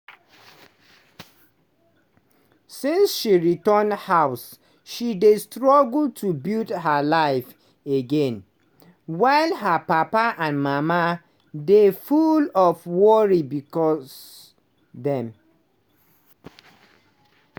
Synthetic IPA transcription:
sĩnsʃiɹitəndhaʊs | ʃidestɹɔɡl̩tʰubildɦalaɪf | eɡẽn | waɪlɦəpapaʔãnmama | defulɔfwɔɹibikɔs | ðɛ̃m

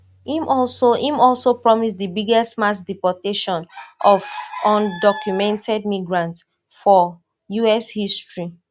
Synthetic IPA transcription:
ĩmʔɔlsoʔĩmɔlsopɹɔmisdəbiɡɛstmasdipɔteʃɔ̃nʔɔvɔ̃ndɔkjumɛ̃ntʰɛd̚miɡɹãnts | fɔ | juɛshistɹi

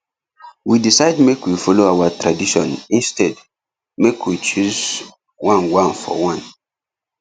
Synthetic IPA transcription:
widisaɪdmekwifɔloawatɹadiʃɔ̃nĩnstɛd | mekwit͡ʃuz | wãnwãnfɔ̰wãn

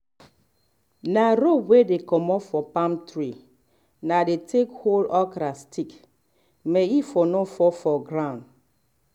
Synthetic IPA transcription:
naɾowedekɔmɔfɔpãmtɾi | nadetʰekholɔkɾastʰik | meifɔnofɔfɔɡɾãʊ̃n

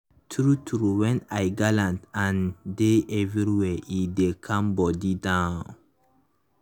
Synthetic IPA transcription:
tʰɾutʰɾuwɛ̃najɡalãntãndeʔɛviɹiwɛʔidekʰãmbɔdidãʊnn

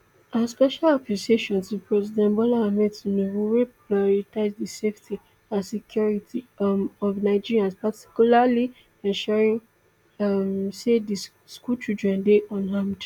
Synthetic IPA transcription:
aspɛʃalɔpiseʃɔ̃nsipʰɹɛzidɛ̃nbɔlaamɛtunowiɹeplaɔɹitaɪzdiseftʰi | ãnsikʰjɔɹitʰimɔvnaɪd͡ʒiɹiãnspati̥kulali | ɛ̃ʃɛɹĩn | amsedi | skut͡ʃidɹɛ̃ndeʔɔ̃nlãmd

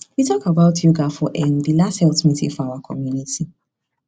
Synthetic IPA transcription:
witʰɔkabaʊtʰjuɡafɔʔɛ̃nðilasthɛltmitʰḭfɔawakʰɔ̰mjunitʰi

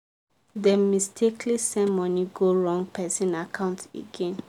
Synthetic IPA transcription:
dɛmistʰeklisɛ̃mɔniɡoɹɔ̃ŋɡ̚pʰɛsĩnakʰãʊ̃ntḛɡẽn

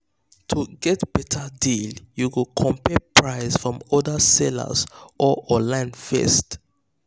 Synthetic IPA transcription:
tʰuɡɛtb̥ɛtʰədiljuwukʰɔ̃mpɛpʰɹaɪsfɹɔ̃mɔdəsɛlə̰zʔɔʔɔ̃nlãɪ̃nfɛ̰st

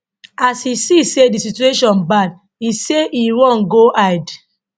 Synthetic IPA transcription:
asisisedisitueʃɔ̃nbad | iseʔiwɔ̃nɡoʔaɪd

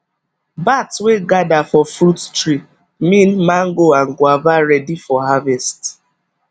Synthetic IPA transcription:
batweɡadafɔfɾuttɹi | mĩnmaŋɡoaŋ̩ɡwavaɾɛdifɔɦavɛst

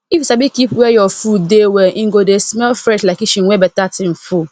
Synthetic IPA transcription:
ifisabikipwɛjɔfudewɛʔiŋ̩ɡodesmɛlfɾɛʃlakiʃĩŋwɛbɛtatɪ̃n̩fu

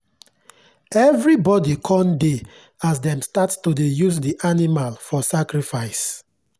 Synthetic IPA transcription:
ɛvɹibɔdikʰɔ̃nde | as̬dɛ̃mstatstudejuzdiʔanimalfɔsakɹifaɪs

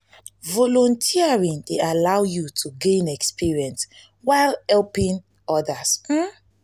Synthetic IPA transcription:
vɔlɔ̃ntʰiaɹĩndealawjutʰuɡẽnɛkspiɹiɛ̃ns | waɪlhɛlpĩn | ɔdasm̩

